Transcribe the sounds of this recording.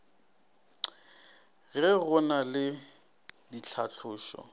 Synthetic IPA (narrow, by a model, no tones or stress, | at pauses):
ɣɪɣʊnalɪ | dit͡ɬʰaɬʰʊːʃɔ̰